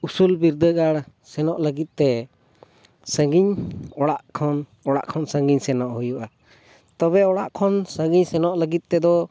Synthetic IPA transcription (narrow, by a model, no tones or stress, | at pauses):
usulbiɾd̪əɡaɽ | sɛnɔʔləɡit̪̚t̪ɛ | səŋɡiɲɔɽaʔkʰɔnɔɽa̰ʔkʰɔnsəŋɡiɲsɛnɔʔhujuʔa | t̪ɔβɛɔɽaʔkʰɔnsəɡiɲsɛnɔʔləɡit̪̚t̪ɛd̪ɔ